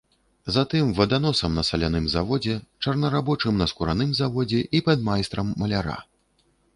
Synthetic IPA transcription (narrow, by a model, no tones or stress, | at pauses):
zat̪ɨmvɐd̪anɔsɐmnɐsɐlʲanɨmzavɔd͡zʲɛt͡ʂɐrnɐɾabɔt͡ʂɨmnɐskuɾanɨmzavɔd͡zʲɛʔipɐd̪majst̪ɾɐmːɐlʲaɾa̰